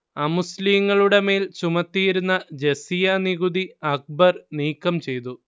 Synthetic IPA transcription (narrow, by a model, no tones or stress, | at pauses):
ɐmusliːŋːɐɭuɽe̞me̞ːlt͡ɕumɐt̪ːijiɾunːɐd͡ʑe̞sijɐniɣud̪iɐk̚bɐrniːkːɐmt͡ɕe̞jt̪̬u